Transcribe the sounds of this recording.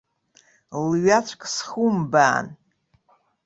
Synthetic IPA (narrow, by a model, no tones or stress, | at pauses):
lɥat͡ʃʷʰʼkʼsχumbaːn